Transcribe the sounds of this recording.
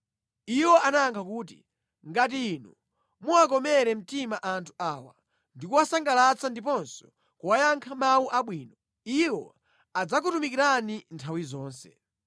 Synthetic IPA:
iwɔanaaŋkʰakuːt̬ḭ | ŋɡat̬iːnu | muak̬ɔmɛɾɛm̩timaʔantʰu̥aːwa̰ | ndikuwasaŋɡalat͡sandip̬ɔnsɔ̥ | kuwajaŋkʰamawuʔaɓwiːnɔ | iwɔ | ad͡zak̬utumikiɾanintʰawizɔːnsɛ̰

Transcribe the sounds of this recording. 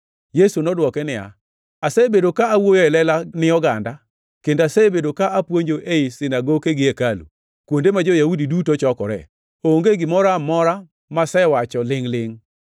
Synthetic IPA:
jesunɔdwɔkɛnɪja̰ | asebedokaːwojoɛlɛlanɪjɔɡanda | kendasebedokaʔapwoɲd͡ʒoʔeisɪnaɡokeɡɪekalṵ | kwondemad͡ʒojaudidutot͡ʃɔkɔ̰ɾɛ̰ | ooŋɡeɡɪmɔɾamɔɾa | masɛwat͡ʃɔlɪŋlɪŋ

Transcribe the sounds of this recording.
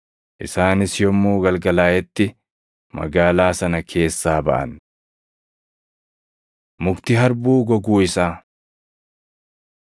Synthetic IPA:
ʔɪsaːnɪsjɔmːuːɡɐlɡɐlaːjɛt̪ːɪ | mɐ̰ɡaːlaːsɐnɐkʰe̞ːsːaːbɐ̰ʔɐ̰n | mʊkt̪ɪɦɐɾbuːɡɔɡuːɪsaː

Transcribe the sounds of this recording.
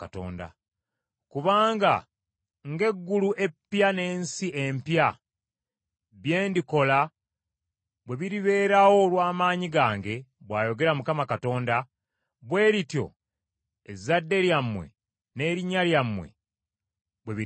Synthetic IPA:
kato̞̰ːnda̰ | kuβaːŋɡa | ŋɡe̞ɡːuluʔe̞pːjane̞ːnsiʔe̞mpja | βje̞ːndiko̞la | βwe̞βiɾiβe̞ːɾawo̞lwaːmaːɲiɡaːŋɡe̞ | βwaːjo̞ɡe̞ɾamukamakato̞ːnda | βwe̞ːɾitjo̞̰ | ezadːe̞ɾjamːwe̞̰ | ne̞ːɾiɲːaljamːwe̞̰ | βwe̞βi

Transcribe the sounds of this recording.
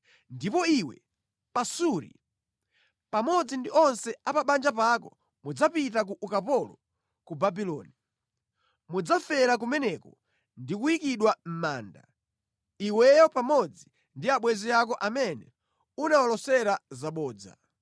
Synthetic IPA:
ndipɔiwɛ̰ | pasuɾḭ | pamɔd͡zindiɔnsɛapaɓand͡ʒapaːkɔ | mud͡zapit̬akuʔukapɔlɔ | kubabilɔ̰ːni | mud͡zafɛɾak̬umɛnɛkɔ | ndikuikiɗwam̩maːnda̰ | iwɛjɔpamɔd͡zi | ndiaɓwɛziak̬ɔʔamɛnɛ̰ | unawalɔsɛɾazaɓɔːd͡za̰

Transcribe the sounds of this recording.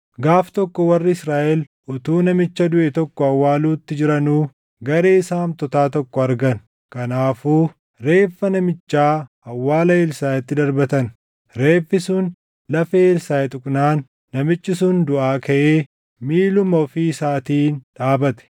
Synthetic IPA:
ɡaːft̪ɔkːɔwɐrːɪɪsɾaːʔɛl | ʔʊt̪uːnɐmɪt͡ʃːɐd̪ʊʔɛt̪ɔkːɔɐwːaːluːt̪ːɪd͡ʒɪɾɐnuː | ɡɐɾe̞ːɪsaːnt̪ɔt̪aːt̪ɔkːɔɐɾɡɐn | kɐnaːfuː | ɾe̞ːfːɐnɐmɪt͡ʃːaː | ɐwːaːlɐɪlsaːjɛt̪ːɪd̪ɐɾbɐt̪ɐn | ɾe̞ːfːɪsʊn | lɐfeːɪlsaːjɛt̪ʼʊkʼnaːnː | ɐmɪt͡ʃːɪsʊnd̪ʊʔaːkɐʔeː | miːlʊmɐɔfiːsaːt̪iːnᶑaːbɐt̪ɛ̥

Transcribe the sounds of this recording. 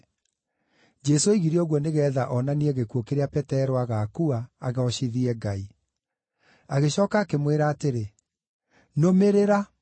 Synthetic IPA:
d͡ʒɛsoiɣiɾioɣwɔneɣɛːðaʔɔnaniɛɣekuokeɾeapɛtɛɾoaɣakuaːɣeɔɕiðiɛɡai | aɣeɕɔːkaːkemweɾaːteɾe | nomeɾeɾa

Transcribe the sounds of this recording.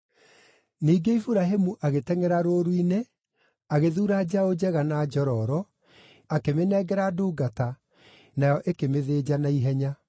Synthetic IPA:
niːɡeifuɾaɦemuʔaɣetɛŋɛɾaɾoːɾwine | aɣeðuːɾad͡ʑaod͡ʑɛɣanad͡ʒɔɾɔɾɔ | akemenɛːɡɛɾaduːɡata | najɔʔekemeðeːd͡ʑanaiɦɛɲa

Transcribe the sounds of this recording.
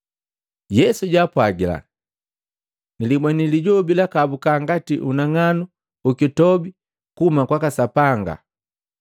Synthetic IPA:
jɛsuɟaːpwaɡila̰ | nilimwaniliɟɔbilakabukaŋɡatiʔunaŋanu | ukitɔbi | kuumakwakasapaŋɡa̰

